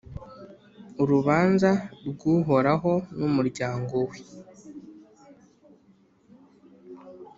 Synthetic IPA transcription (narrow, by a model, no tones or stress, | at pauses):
uɾuβaːnzaɾɡuːɦoɾaɦo̞numuɾɟaːŋɡowe